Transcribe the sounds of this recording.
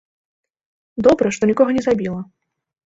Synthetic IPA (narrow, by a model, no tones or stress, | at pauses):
d̪ɔbɾɐʂt̪ɔnʲikɔɣɐnʲɛzabʲilˠɐ